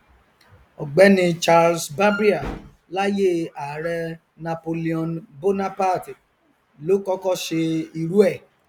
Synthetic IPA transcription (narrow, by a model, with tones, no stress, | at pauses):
ɔ˨ɡ͡bɛ˨˦nĩ˧t͡ʃa˧lsba˦bɾi˦a˨ | la˦je˦˨a˨ɾɛ˧ | na˧po˧li˦ɔ̃˧nbo˦na˦pa˦˨ti˨ | lo˨˦kɔ˦kɔ˦ʃe˧i˧ɾu˦ɛ˦˨